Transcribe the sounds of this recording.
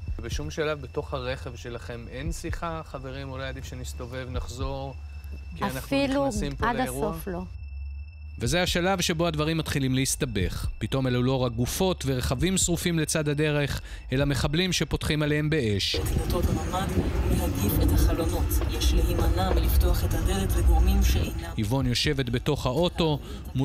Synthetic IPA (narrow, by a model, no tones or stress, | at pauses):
beʃumʃalavbeto̞χhaʁe̞χe̞vʃe̞laχe̞mensiχaχave̞ʁimulojad̪ifʃenist̪o̞ve̞vnaχzo̞ʁ | kiaanailusimpadauoflo̞ | ve̞zehaʃalavʃe̞bo̞ad̪vaʁimːat̪χilimleist̪abe̞χpit̪o̞melulo̞ʁak̚ɡufo̞t̪ve̞ʁeχavimsʁufimle̞t͡sad̪ad̪e̞ʁe̞χ | e̞lame̞χablimʃe̞po̞tχimalehembe̞e̞ʃetlot̪otmamanleaɡifet̪haχalono̞t̪jeʃlehimanamelift̪oaχet̪hadelet̪veɡʁomimʃeʔenahivo̞njo̞ʃe̞ve̞t̪be̞to̞χhao̞to̞ | mu